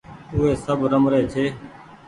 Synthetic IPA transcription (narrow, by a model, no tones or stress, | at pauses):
ʊɦeːsəbɾəmɾeːt͡ʃʰeː